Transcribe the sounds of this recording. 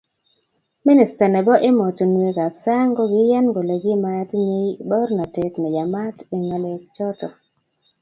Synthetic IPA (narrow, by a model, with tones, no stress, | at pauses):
mi˦nɪ˨sta˨nɛ˨bɔ˦ʔɪ˦mɔ˨tɔ˨n˨e˨ɡa˨psa˦ŋɡɔ˦ɡɪ˦ja˦nɡo˨le˨ɡɪ˦ma˦tɲi˦bɔ˦ɾna˨te˨tnɛ˨d͡ʒa˨ma˦ti˨ŋa˨le˨k̚t͡ʃɔ˦tɔ˨